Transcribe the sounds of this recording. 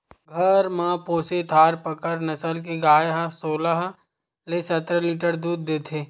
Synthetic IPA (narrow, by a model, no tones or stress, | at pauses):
ɡʱɐɾmãːpoːset̪ʰaːɾpəkəɾnɐsəlkeɡaːjɦəsoːləɦ | lesɐt̪ɾəliːʈəɾd̪uːd̪̚ːeːt̪ʰeː